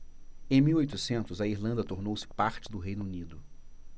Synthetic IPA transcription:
ẽj̃miwojt̪ʊsẽnt̪ʊzɐiɾlɐ̃nd̪ɐt̪oɾnowsɪ̥paɾt͡ʃɪd̪ʊɦejnʊunid̪ʊ

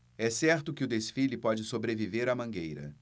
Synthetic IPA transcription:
ɛsɛɾt̪ʊkɪʊd̪esfilɪpɔd͡ʒɪsobɾeviveɾɐmɐ̃ŋɡejɾɐ̰

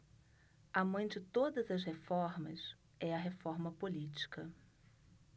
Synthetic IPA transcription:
ɐmɐ̃j̃d͡ʒɪt̪od̪ɐzɐshefɔɾmɐ̰s | ɛɐɦefɔɾmɐpolit͡ʃi̥kɐ

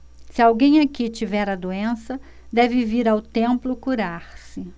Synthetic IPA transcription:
sɪawɡẽj̃akit͡ʃivɛɾɐd̪oẽsɐ | d̪ɛvɪviɾawt̪ẽmplʊkuɾaɾsɪ

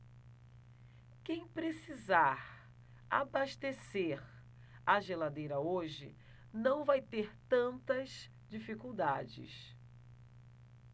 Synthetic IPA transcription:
kẽj̃pɾesizaɾ | abaʃt̪eseɾ | aʒelad̪ejɾɐoʒɪ̰ | nɐ̃w̃vajt̪eɾt̪ɐ̃nt̪ɐz | d͡ʒifikuwd̪ad͡ʒɪ̰s

